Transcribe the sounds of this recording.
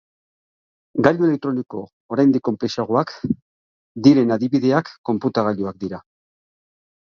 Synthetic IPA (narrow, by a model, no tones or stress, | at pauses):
ɡaʎue̞le̞k̚t̪ɾoniko̞ | oɾajnd̪ikːo̞mpliʃaɣ̞oak | d̪iɾe̞naðiβiðe̞akːo̞mput̪aɣaʎuak̚d̪iɾa